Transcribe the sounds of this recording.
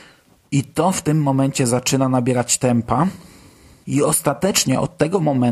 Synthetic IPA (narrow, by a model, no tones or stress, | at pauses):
it̪ɔft̪ɘmːɔmɛɲt͡ɕɛzat͡ʂɘnanabʲjɛɾat͡ɕt̪ɛmpa | iɔst̪at̪ɛt͡ʂɲɛʔɔ̰t̪ːɛɡɔmɔmɛ